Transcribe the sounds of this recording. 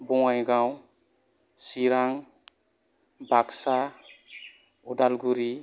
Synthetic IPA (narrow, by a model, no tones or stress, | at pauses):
bɔŋajɡaw | siɾaŋ | baksa | udalɡuɾi